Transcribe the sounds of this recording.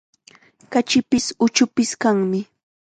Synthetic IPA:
kat͡ʃɪpɪsʊt͡ʃʊpɪskaŋmɪ

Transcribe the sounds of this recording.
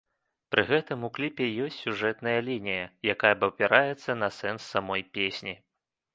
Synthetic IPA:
pɾʔɨɣɛt̪ɨmuklʲipʲɛjɔsʲtʲsʲuʐɛt̪nɐjɐlʲinʲijɐjakajɐbɐwpʲɛɾʔajɛt̪sːɐnɐsɛnsːamɔjpʲesʲnʲi

